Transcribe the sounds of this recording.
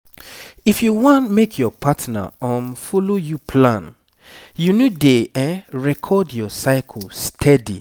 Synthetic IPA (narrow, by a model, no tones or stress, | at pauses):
ifjuwɔ̃ntmekʰjɔpʰatna̰ɔ̃mfolojupʰlãn | junudeɛɹɛkʰɔdjɔsaɪkʰɔlstʰɛdḭ